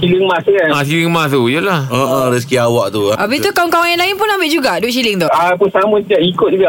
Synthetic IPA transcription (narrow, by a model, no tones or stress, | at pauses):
t͡ʃiliŋmãsanasiliŋmãst̪ujulahaʔaɾis̬kiawaʔt̪uʔabit̪ukawɔŋkawaŋjanlaɪnpʊnãmbɪʔd͡ʒuɡaʔdʊʔt͡ʃiliŋt̪ɔapusamũt̪d͡ʒaʔikʊt̪̚d͡ʒuɡaʔ